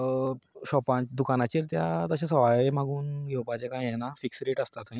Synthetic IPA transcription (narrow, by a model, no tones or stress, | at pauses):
ɕɔpãt͡ɕd̪ukanat͡ɕiɾt̪jat̪əɕãsəʋajemaɡuːnɡʱɛwpat͡ɕẽkãjjɛnafiksɾeʈəst̪at̪ã